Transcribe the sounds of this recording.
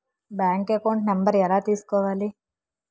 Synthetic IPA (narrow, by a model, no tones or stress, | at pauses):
baːŋkekoɳʈnɐmbəɾɛlat̪iskoːʋaːli